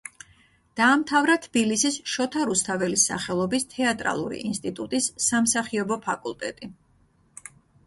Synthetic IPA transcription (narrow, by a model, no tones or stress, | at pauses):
d̪̥aːmt̪ʰavɾat̪ʰb̥ilisisʃɔt̪ʰaɾust̪ʰavɛlisa̰χɛlˠɔbist̪ʰɛat̪ʼɾa̰lˠṵɾḭʔinst̪ʼit̪ʼut̪ʼisːamsaχiɔbɔpʰakʼulˠt̪ʼɛ̰t̪ʼi